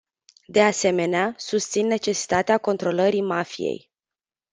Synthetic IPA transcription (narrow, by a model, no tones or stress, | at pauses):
d̪e̞ase̞me̞neasust̪sinːe̞t͡ʃe̞si̥t̪at̪eako̞nt̪ɾo̞ləɾimafijḛj